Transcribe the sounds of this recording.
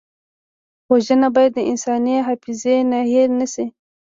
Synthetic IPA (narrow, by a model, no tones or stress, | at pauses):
poʒənabɑjad̪ːəɪnsɑniɦafɪzenaheɾnasi